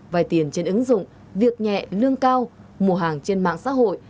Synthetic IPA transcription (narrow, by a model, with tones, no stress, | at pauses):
vaː˨˩jt̪i˨˩ənt͡ɕe˧nʔɨ˨˦ŋzʊ̰˧˨ŋ͡m | vi˨˩ək̚ɲɛ̰˧˨lɨ˧əŋkaː˧w | mu˨˩əɦaː˨˩ŋt͡ɕe˧nma̰ː˧˨ŋsa̰ː˧˥ɦo̰˧˨j